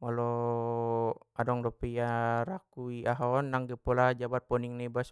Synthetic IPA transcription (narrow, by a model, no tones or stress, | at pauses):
malɔ | adɔŋdɔpijaɾakuiaɦɔnːaŋɡɛpɔlad͡ʒabat̪̚pɔniŋnɛbas